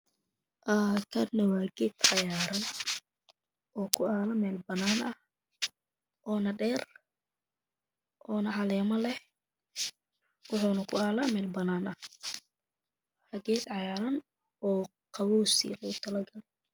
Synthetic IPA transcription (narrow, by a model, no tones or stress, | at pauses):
ʔakʰɐnɐwaːɡɛːd̪ʕɑjaːɾɐn | ɔːkʰʊaːlɐmɛːlbɐnaːnʔɐh | ʔɔːnɐɖɛːr | ʔɔːnɐʕɑlɛːmɐlɛh | wʊħuːnɐkʰʊaːlɐmɛːlbɐnːaːnɐh | ɐɡɛːd̪ʕɑjaːɾɐn | ɔː | qɑwɔːsḭlɐɡʊt̪ʰɐlɐɡɐlɛ